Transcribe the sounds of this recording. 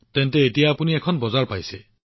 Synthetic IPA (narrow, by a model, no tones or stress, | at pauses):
t̪ent̪eːtijaːpuniekʰɔnbɔzaɹpajse